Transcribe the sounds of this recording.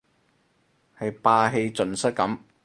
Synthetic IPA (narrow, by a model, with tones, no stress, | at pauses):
hɐ˨jpaː˧ɦe˧jt͡sɵ˨nsɐ˥t̚kɐ˨˧˥m